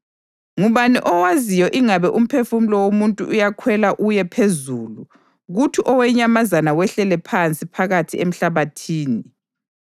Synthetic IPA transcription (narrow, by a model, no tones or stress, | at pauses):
ŋuβaniʔɔwazijɔʔiŋaβɛʔum̩pʰefum̩lɔwomuntʼṵʔujakʰwɛlaʔujɛpʰezuːlu | ɣutʰiʔɔwɛɲamazanawɛɬɛlɛpʰant͡sʼipʰaɣatʰiem̩ɬaβatʰiːni